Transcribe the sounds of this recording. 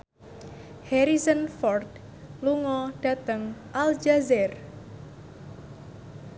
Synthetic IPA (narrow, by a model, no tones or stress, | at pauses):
hɛɾizənfɔrd̪ | luŋɔɖ̥a̤t̪əŋʔald͡ʒazɛr